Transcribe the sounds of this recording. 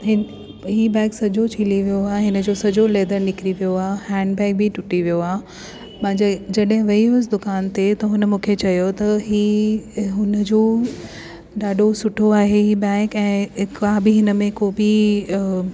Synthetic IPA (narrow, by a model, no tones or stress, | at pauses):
ɦɪ | ɦiːbɛ̃ːksɐd͡ʑot͡ɕʰiliʋijoaːeɦɪnəd͡ʑoːsɐd͡ʑoleːd̪əɾnɪkɪɾiʋijoaːhɛ̃ːɳɖbɛ̃ːk̚bʱɪʈʊʈiʋijoaː | pãɪ̃d͡ʑed͡ʑɐɗɦɪ̃ʋɐiɦʊs̬d̪ʊkaːnt̪et̪ɐɦʊnə̆mũːkʰet͡ɕɐjot̪ɐɦiːɦʊnəd͡ʑoː | ɗaːɗosʊʈʰoaːɦeɦiːbɛ̃ːkɛ̃ːkabɪɦɪnə̆mẽkoːbi